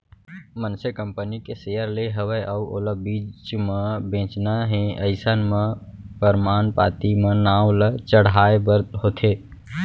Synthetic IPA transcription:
mənsekəmpənikesejəɾleɦəʋəjʔəuʔo̰ːləbit͡ʃmebẽːt͡ʃnaɦẽəɪsənmẽpəɾmaːnpa̰ːt̪imenaːwlət͡ʃəɽ̤aebəɾd̪ɦot̪ʰe

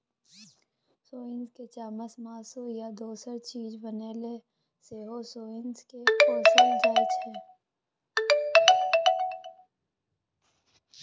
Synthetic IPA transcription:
soːɪnzket͡ʃaːməsmaːsujad̪oːsəɾt͡ʃiːd͡ʒbəneːle | seɦosoːɪnzkekoːseld͡ʒaːd͡ʒɦɛː

